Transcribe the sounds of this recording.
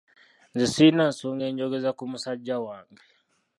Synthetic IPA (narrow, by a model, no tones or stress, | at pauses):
nzisinansuŋɡɛɲd͡ʒɔɡɛzakum̩sad͡ʒawaŋɡɛ